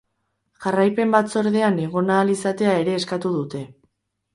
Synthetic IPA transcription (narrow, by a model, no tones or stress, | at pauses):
ʝarajpe̞mbat͡so̞ɾðe̞ane̞ɣ̞o̞naːlisat̪e̞ae̞ɾe̞ːskat̪uðut̪e̞